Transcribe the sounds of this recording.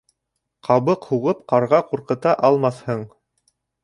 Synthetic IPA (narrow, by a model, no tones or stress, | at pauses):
qɑβɤqhuʁɤpqɑɾʁɑquɾqɤ̆t̪ɑʔɑlˠmɑθhɤɴ